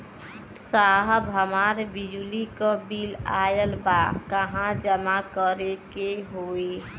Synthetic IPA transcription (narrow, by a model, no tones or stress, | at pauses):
saɦəbɦəmaɾbid͡ʒulikəbilajəlbakəɦãd͡ʒəmakəɾekeɦoe